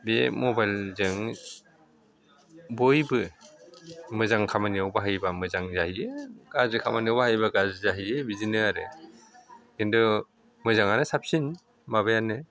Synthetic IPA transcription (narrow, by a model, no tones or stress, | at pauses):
bemɔbajlzɯŋ | bojbɯ | mɯzaŋkʰamaniawbaɦajbamɯzaŋzahiɯɡ̥azɯkʰamaniawbaɦajbaɡazɯzaɦiɯbizinɯaɾɯ | kendɔ | mɯzaŋanɯsap̚sin | mabajanɯ